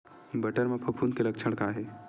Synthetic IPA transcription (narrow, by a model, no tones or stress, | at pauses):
bɐʈəɾmẽpʰɐpʰund̪kelək̚t͡ʃʰəɽkaɦɛ